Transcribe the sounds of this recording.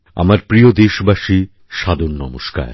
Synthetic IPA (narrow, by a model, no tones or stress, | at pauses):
a̰maɾpɾiod̪eʃbaʃi | ʃad̪onnɔmoʃka̰ɾ